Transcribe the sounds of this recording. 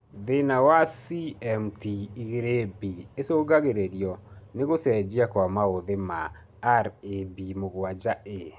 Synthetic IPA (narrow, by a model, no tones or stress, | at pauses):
ðenawasiɛmtiːɣeɾebiesoɡaɣeɾeɾjɔneɣosɛd͡ʒiakwamaoðemaː | ɾebimoɣwad͡ʒaʔe